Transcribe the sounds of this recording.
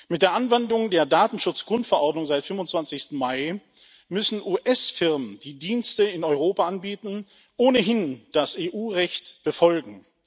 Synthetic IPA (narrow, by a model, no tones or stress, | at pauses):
mɪt̚d̥eːɐʔanvɛndʊŋdeːɐdaːtn̩ʃʊt͡sɡ̥ʁʊntfɛɐʔɔɐdnʊŋzaɪtfʏmfʊntt͡sv̥ansɪçstn̩maɪ | mʏsn̩ʔuːʔɛsfɪʁmənd̥iːdiːnstəɪnɔʏʁ̞oːpaʔanbiːtn̩ | ʔoːnəɦɪnd̥aseːʔuːʁɛçtb̥əfɔlɡŋ̩